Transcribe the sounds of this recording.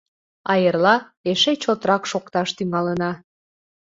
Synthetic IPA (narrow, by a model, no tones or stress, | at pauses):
ɑjərlɑeʃet͡ɕot̪ɾɑkʃokt̪ɑʃt̪yŋɑlənɑ